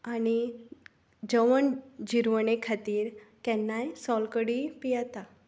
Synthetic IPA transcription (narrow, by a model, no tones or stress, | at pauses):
añi | d͡ʑəʋəɳd͡ʑiɾʋənekʰat̪iːɾkɛnːajsɔlkəɽipijat̪a